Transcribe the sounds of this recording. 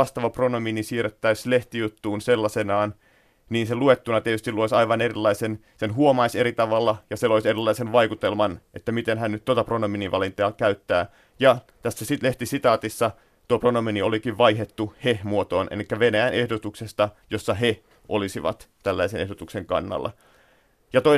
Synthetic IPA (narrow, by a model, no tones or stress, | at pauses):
ɑst̪ɑʋɑpronominisiːret̪ːæisleht̪ijut̪ːuːnselːɑsenɑːn | niːnseluet̪ːunɑt̪iet̪yst̪iluoisɑiʋɑnerilːɑisen | senɦuomɑiseɾit̪ɑʋɑlːɑjɑseloiserilːɑisenʋɑikut̪elmɑnʔet̪ːæmit̪enɦænnyt̪ːot̪ɑpronominiʋɑlint̪eɑːkæyt̪ːæː | jɑ | t̪æsːæsitleht̪isit̪ɑːt̪isːɑ | t̪uopronominiolikiʋʋɑiɦet̪ːuhehmuot̪oːnʔḛlikːæʋenæjænʔehdot̪uksest̪ɑjosːɑɦe | ʔo̰lisiʋɑ̰t̪t̪ælːæisenehdot̪ukseŋkɑ̰nːɑ̰lːɑ̰ | jɑt̪o